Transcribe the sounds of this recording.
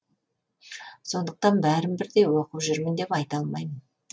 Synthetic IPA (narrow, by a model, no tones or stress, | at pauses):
so̞nd̪əq̚t̪ɑnbæɾɪmbɪɾd̪e̞jwo̞quwʒʏɾmɪnd̪e̞pɑjt̪ɑlˠmɑjmən